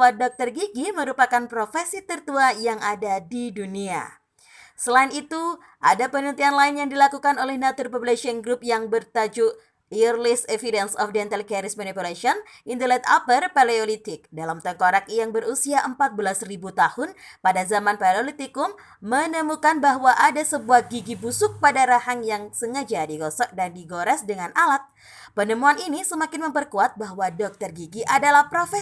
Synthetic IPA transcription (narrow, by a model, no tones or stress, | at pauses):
wadɔk̚t̪ɔrɡiɡiməɾupakanpɾofɛsit̪ərt̪uajaŋadadidunia̰ | səlainit̪u | ʔa̰dapənənt̪ianlaɪnjaŋdilakukanolɛhnat̪ʊrpɔblɛʃəŋɡɾup̚jaŋbərt̪ad͡ʒuʔ | irlɪsefidɛnsɔfdɛnt̪alkɛɾɪsmanipulaʃiɔn | ʔint̪əlɛt̪a̰pərpaleolit̪ɪk̚dalamt̪əkoɾak̚jaŋbəɾusiaʔəmpat̪̚bəlasribut̪ahʊnpadazamanpalolit̪ikʊmː | ənəmukanbaɦwaʔadasəbuahɡiɡibusʊk̚padaɾahaŋjaŋsəŋəd͡ʒadiɡosɔk̚dandiɡoɾɛsdəŋanʔalat̪̚ | pənəmuaninisəmakɪnməmpərkuat̪̚baɦwadɔk̚t̪ərɡiɡiʔadalahpɾofɛ